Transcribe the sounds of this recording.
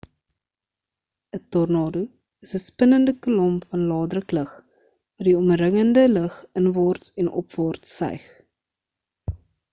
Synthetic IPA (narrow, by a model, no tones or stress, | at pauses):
ətɔrnɑːdu | əsəspənəndəkəlɔmfɐnlɑːdrəkləχ | vɑdiɔmrəŋəndələχənvɑːrtsɛnʔɔ̰pvɑːrtsɛ̰jχ